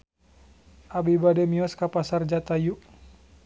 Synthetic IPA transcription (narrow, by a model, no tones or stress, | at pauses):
ʔabibadɛmiɔskapasard͡ʒat̪ajuʔ